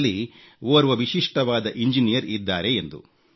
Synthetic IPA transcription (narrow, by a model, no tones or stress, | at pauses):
lːi | oːɾʋɐʋiʃiʂʈɐʋaːd̪ɐʔiɲd͡ʒinijɐɾid̪ːaːɾe̞end̪ṵ